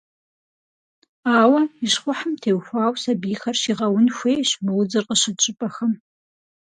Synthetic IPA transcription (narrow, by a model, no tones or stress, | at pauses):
aːwɐiʃχʷʊħəmtʰeːwxʷaːwsɐbiːxɐrʃiːʁɐwʊnxʷeːɕmɨwʊd͡zɨrqəɕɨt͡ʃʼɨpʼɐxɐm